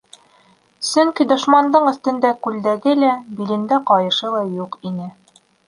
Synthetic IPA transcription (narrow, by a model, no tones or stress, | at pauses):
sɵŋkid̪ŏʃmɑnd̪ɤɴɵ̆θt̪ɘ̆nd̪ækʉld̪æɡɘlæbilɘ̆nd̪æqɑjɤ̆ʃɤlˠɑjuqinɘ